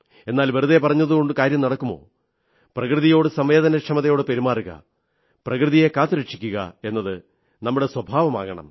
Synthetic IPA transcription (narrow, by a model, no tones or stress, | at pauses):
e̞nːaːlʋɐɾuðepɐrɐɲːɐðuɣo̞ɳɖɨkaːɾjɐmnɐɽɐkːumo̰ː | prɐkrɨðijo̞ːɽɨsɐmʋe̞ːd̪ɐnɐʂɐmɐðɐjo̞ːɽɨpeɾimaːruɣɐ̰ | prɐkrɨðije̞kaːt̪ːuɾɐʂi̥kʲːuɣɐ̰e̞nːɐðɨ | nɐmːuɽe̞swɐbʱaːʋɐma̰ːɣɐɳɐ̰m